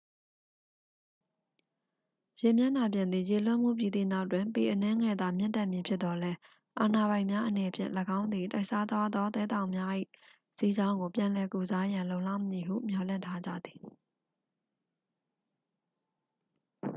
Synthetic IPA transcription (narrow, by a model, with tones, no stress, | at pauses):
jɪ̃˨mja˦˨na˨p̬jɪ̃˨nd̪ði˨je˨l̥ʊ̃˦ʔm̥ṵ˦˨pji˨d̪ḭ˦˨na˦ʊʔtːwɪ̃˨mpe˨ʔənɛ̃˦ŋɛ˨d̪a˨mjɪ̰̃˦nt̪ɛ˦ʔmji˨pʰjɪ˦t̪t̪ɔ˨lɛ˦ | ʔa˨na˨βã˨ɪ̃mja˦ʔənɛ˨pʰjɪ̰̃˦˨ləɡã˦ʊ̃nd̪ði˨ta˦ɪʔsa˦d̪wa˦d̪ɔ˦t̪ɛ˦t̪ã˨ʊ̃mja˦ʔḭ˦˨ | si˦d͡ʑã˦ʊ̃ŋɡo˨pjã˨lɛ˨ku˨za˦jã˨lõ˨ʊ̃la̰˦˨məɲi˨ɦṵ˦˨mjɔ˨lɪ̰̃˦˨ntʰa˦d͡ʑä̰˦˨d̪ði̥˨